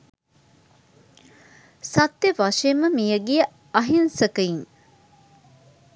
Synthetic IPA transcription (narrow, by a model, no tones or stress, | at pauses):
sɐt̪ːeʋɐʂeməmijəɡijə | ɐɦinsɐkɐiŋ